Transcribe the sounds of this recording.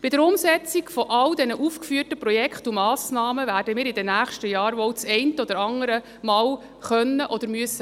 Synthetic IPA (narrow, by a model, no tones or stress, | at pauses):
b̥ɪdəɾʊmsɛt͡siɡfɔʔɑwdɛnəʔuːfkfyːrtəprɔjɛkχtumɑːsnɑːməvæːɾdəmiːɾɪdɛnæːχʃtəjɑːɾʋɔwt͡sɛɪntəɔd̥̪əɾɑŋəɾə | mɑːw | χœnːəʔɔd̪əɾmyəsə